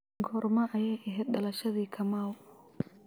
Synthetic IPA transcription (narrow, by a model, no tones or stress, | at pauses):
ɡɔːɾmɐʔɐjɛjʔɛɦɛːd̪̚ɖɐlɐʃɐðiːkʰɐmaːw